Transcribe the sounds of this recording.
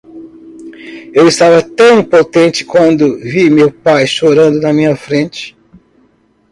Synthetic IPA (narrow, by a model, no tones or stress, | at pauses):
ewɪst̪avɐt̪ɐ̃w̃ĩpot̪ẽnt͡ʃɪ̥kwɐ̃nd̪ʊvimewpajʃoɾɐ̃nd̪ʊnɐmĩɲɐfɾẽnt͡ʃɪ̥